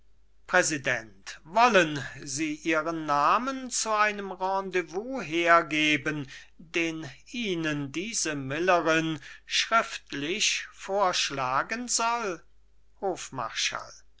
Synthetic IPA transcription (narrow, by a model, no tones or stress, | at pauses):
pʁ̥ɛzidɛntvɔlənziːʔiːʁənːaːmənt͡suaɪnəmʁɑ̃devuːɦeːɐɡeːbən | deːnʔiːnəndiːzəmɪləʁɪnʃʁ̥ɪftlɪçfoːɐʃlaːɡənzɔl | hoːfma̰ɐʃa̰l